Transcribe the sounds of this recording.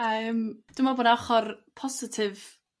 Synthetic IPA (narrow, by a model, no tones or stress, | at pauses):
əːmd̥ɪmaboːdaχɔrpʰɔsɪtʰɪv